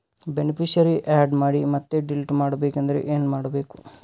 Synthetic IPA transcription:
benipʰiʃɐɾiʔaːɖmaːɽimɐt̪ːeɖilʈmaːɽɐbeːkɐnd̪ɐɾḛʔeːnmaːɽɐbeːku̥

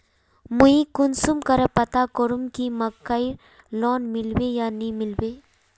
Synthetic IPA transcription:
muikʊnsumkəɾepɐt̪akoɾumkimɐkːaiɾ | loːnmɪlwejanimɪlweː

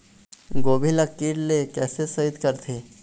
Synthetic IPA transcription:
ɡoːbʱiləkːiːɾlekɛːsesəɪt̪kəɾt̪ʰeː

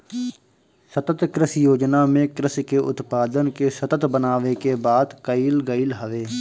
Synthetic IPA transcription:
sət̪ət̪kɾɪsjoːd͡ʒnamẽkɾɪskeʔʊ̰t̪paːd̪ənkesət̪ət̪bənaːʋekebaːd̪kəilɡəilɦəʋeː

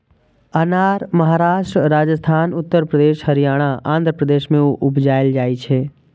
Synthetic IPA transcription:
ənaːɾməɦaːɾaːʃʈɾəɾaːd͡ʒəst̪ʰaːnʊt̪ːəɾpɾəd̪eːʃhəɾijaːɽ̃aʔã̰ːnd̪ʱɾəpɾəd̪eːʃmẽuʔʊbd͡ʒaːeld͡ʒaːit͡ʃʰeː

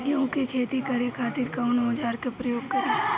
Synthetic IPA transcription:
jõːkekʰeːt̪ikɐɾekʰaːt̪iːɾkaʊnmɐd͡ʒaːɾkepɾəjoːɡ̚kɐɾeː

